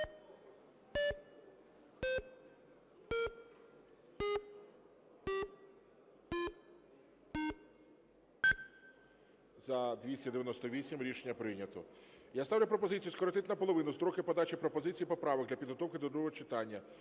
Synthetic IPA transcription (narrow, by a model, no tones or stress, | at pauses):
zɐd̪ʲʋʲisʲtʲɐd̪eʋjɐnɔst̪ɔʋʲisʲimɾʲiʃenʲːɐpɾɪnʲɐt̪ɔjast̪ɑwlʲʊp̬ɾɔpɔzɪt͡sʲijuskɔɾɔt̪ɪt̪ʲnɐpɔlˠɔʋɪnʊst̪ɾɔkɪpɔd̪ɑt͡ʃipɾɔpɔzɪt͡sʲijipɔpɾɑʋɔɡ̚d̪lʲɐpʲid̪ɦɔt̪ɔwkɪd̪ɔd̪ɾuɔɦɔt͡ʃɪt̪ɑnʲːɐ